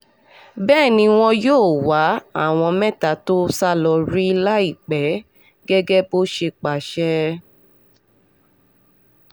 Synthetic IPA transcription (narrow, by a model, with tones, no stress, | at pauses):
bɛː˦˨nĩ˧w̃ɔ̃˧joː˦˨wa˨˦a̰˦˨w̃ɔ̃˧mɛ̃˦ta˨to˦sa˦lɔ˧ɾi˦˧la˦i˦˨k͡pɛ˨˦ | ɡɛ˦ɡɛ˦bo˦ʃe˧k͡pa˨ʃɛ˦